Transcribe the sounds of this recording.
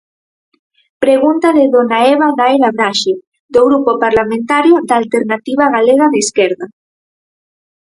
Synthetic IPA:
pɾeɣunt̪aðeðonaeβaɣaelaβɾaʃe | d̪oɣɾupopaɾlamẽnt̪aɾjod̪aːlt̪eɾnat̪iβ̞aɣaleɣaðeiskɛɾða

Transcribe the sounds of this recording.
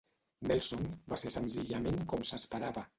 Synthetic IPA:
nɛlˠsonbasesənziʎəmenkɔmsəspəɾaβə

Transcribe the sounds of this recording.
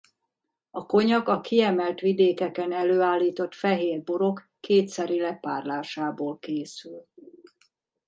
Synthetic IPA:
ɒko̞ɲɒɡɒkiɛmɛlt̪ʋid̪eːkɛkɛnɛløːaːlːiːt̪o̞t̪fɛɦeːrboɾo̞kːeːt̪sɛɾilɛpaːrlaːʃaːboːlkeːsyl

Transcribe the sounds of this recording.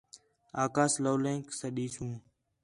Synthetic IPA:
aːkaːsloːlẽːŋksəɗiːsũː

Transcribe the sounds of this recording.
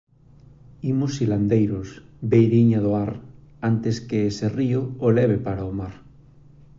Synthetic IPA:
imʊsiland̪ejɾʊsbejɾiɲaðoaɾ | ant̪eskeeseriʊːlɛβ̞epaɾaomaɾ

